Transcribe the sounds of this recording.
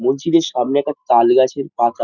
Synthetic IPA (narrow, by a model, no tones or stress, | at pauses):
mond͡ʑid̪eɾʃamneɛk̚ʈat̪alɡat͡ɕʰeɾpat̪a